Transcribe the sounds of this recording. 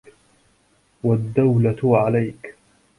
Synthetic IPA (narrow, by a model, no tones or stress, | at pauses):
wad̪ːawlaʕalajk